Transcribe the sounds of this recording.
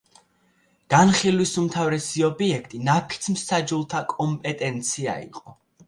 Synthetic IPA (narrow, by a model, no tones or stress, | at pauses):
ɡ̥anχilˠwisumt̪ʰavɾɛsiɔbiɛkʰt̪ʼinapʰi̥t̪sʰmsad͡ʒulˠt̪ʰakʼɔmpʼɛt̪ʼɛnt̪sʰia̰ḭqʼɔ